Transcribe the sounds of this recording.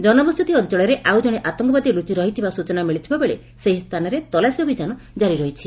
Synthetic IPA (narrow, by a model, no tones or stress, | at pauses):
d͡ʒɔnɔbɔst̪ʰit̪iɔnt͡ʃɔɭɔɾeʔawd͡ʒɔɽ̃eʔat̪ɔŋkɔbad̪ilut͡ʃiɾɔɦit̪ʰibasut͡ʃɔnamiɭit̪ʰibabeɭe | seɦist̪ʰanɔɾet̪ɔlasiɔbʱid͡ʒanɔ | d͡ʒaɾiɾɔɦit͡ʃʰi